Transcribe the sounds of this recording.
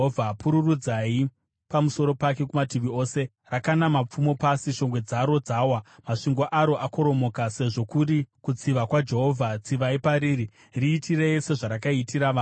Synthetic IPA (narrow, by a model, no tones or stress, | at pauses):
vʱapuɾurud͡zai | pamuso̞ɾo̞pake̞kumatiʋio̞ːse̞ | rakanamap͡fumo̞pasiʃo̞ŋɡwe̞d͡zaɾo̞d͡zaːwamaʂiŋɡoʔaɾo̞ʔako̞ɾo̞mo̞ːkase̞ʐo̞kuɾikut͡siʋakwad͡ʒe̞ɦo̞vʱat͡siʋaipaɾiːɾi | riːtire̞ise̞ʐaɾakaitiɾaʋa